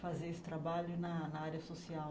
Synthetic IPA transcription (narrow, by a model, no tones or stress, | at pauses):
fazeɾesɪ̥t̪ɾabaʎʊnɐnɐaɾjɐsosiaw